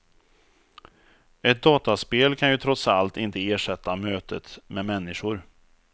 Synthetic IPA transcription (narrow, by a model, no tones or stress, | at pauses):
ɛt̪̚d̪ɑːt̪aspeːlkʰanjɵt̪ʰɾɔt̪salt̪ɪnt̪əeːʂɛt̪ːamøːt̪ʰət̪mɛmɛnːɪɧʊɾ